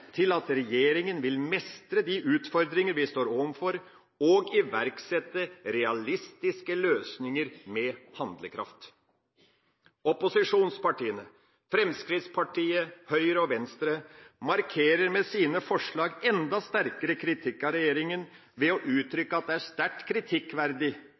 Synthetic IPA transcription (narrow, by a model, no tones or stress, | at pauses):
t̪ʰɪlɑt̪ɾɛjeːɾɪŋənʋɪlmɛst̪ɾəd̪iʔʉːt̪fɔɾd̪ɾɪŋəɾʋɪst̪oːɾɔmfɔɾ | ɔɡɪʋæɾksɛt̪ːəɾɛɑlɪst̪ɪskəløːsnɪŋəɾmɛhɑnd̪ləkʰɾɑ̰ft̪ | ɔpʊsɪʂuːnspɑʈiːənə | fɾɛmskɾɪt̪spʰɑʈʰiːəhœʏɾəɔʋɛnst̪ɾəmɑɾkʰeːɾəɾmɛsiːnəfɔʂɭɑːɡɛnd̪ɑst̪æɾkəɾəkʰɾɪt̪ʰɪkːɑɾɛjeːɾɪŋən | ʋɛɔʔʉːt̪ʰɾʏkːəɑt̪̚d̪ɛæʂt̪æʈkʰɾɪt̪ʰɪkːʋæɾd̪ɪ